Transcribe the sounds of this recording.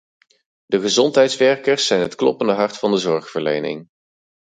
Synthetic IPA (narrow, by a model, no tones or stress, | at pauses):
dəχəzɔntɦɛjtsʋɛɹkəɹsːɛjnɦətklɔ̰pəndəɦɑɹtfɑndəzɔɹχfəɹlḛjnɪ̰ŋ